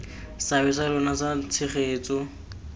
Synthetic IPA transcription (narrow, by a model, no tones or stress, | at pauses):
sabɪsalʊnasat͡sʰɪχeːt͡sʼɔ